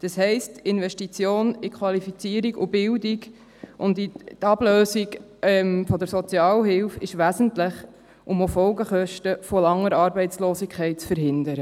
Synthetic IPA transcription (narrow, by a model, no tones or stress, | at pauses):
d̥ɑshɛɪstɪnʋɛʃtit͡sjoːnɪkʰχʋɑlifit͡siəɾiɡʊ̰bɪldiɡ | ʔʊndit̪ɑb̥løːsiɡ | ɛmfɔd̪əɾsɔt͡sjɑːlɦɪlfɪʃʋæsən̩tlɪχ | ʔʊmofɔlɡəχœʃtəfolɑŋːəɾɑːɾbɛɪtt͡sloːsikʰχɛɪt̚t͡sfəɾɦɪnd̪əɾə